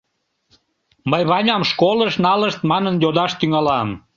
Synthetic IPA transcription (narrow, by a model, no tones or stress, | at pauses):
məjβɑnʲɑmʃkoləʃnɑləʃt̪mɑnənjod̪ɑʃt̪yŋɑlɑm